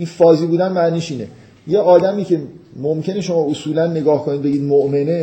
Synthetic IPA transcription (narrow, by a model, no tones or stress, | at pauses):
iːnfɒːziːbuːd̪ænmæniːʃiːne̞̰ | je̞ɒːd̪æmiːcʰe̞momcʰe̞ne̞ʃo̞mɒːosuːlænːe̞ɡɒːhkʰonid̪be̞ɡiːd̪moʔme̞ne